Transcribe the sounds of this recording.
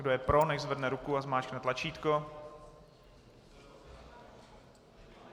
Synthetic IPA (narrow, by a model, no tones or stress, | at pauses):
ɡdojɛpɾo̞nɛʒzvrdnɛɾukuazmaːt͡ʃknɛt̪lat͡ʃiːt̪ko